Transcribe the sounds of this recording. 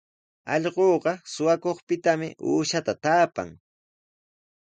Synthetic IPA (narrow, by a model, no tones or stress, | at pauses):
ɑ̰ʎɢoːɢɑsʊwakoχpɪt̪amɪ̰ʔuːʃat̪at̪aːpa̰ŋ